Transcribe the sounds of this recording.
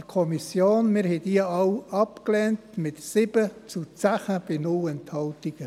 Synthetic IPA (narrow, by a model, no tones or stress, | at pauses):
əɾkʰɔmisjoːnmɪɾhɛdiəɑʊɑpklɛːntmɪtsɪb̥ət͡sut͡sæχəb̥ɪnʊlɛnthɑltiɡ̥ə